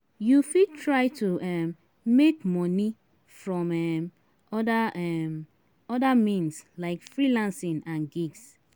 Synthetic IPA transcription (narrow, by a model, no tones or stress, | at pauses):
jufid̚tʰɹaɪtʰuɛm | mekmɔ̃ni | fɹɔ̃mɛm | ɔdaɛm | ɔdamĩnslaɪkfɹilãnsĩnãnɡiɡs